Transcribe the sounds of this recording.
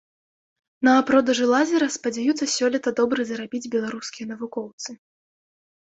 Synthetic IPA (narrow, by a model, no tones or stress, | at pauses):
nɐːpɾɔd̪ɐʐɨlˠazʲɐɾɐspɐd͡zʲajut̪sːɐsʲɔlʲit̪ɐd̪ɔbɾɨzɐɾabʲid͡zʲbʲɛlˠaɾuskʲijɐnɐvukɔwt̪sɨ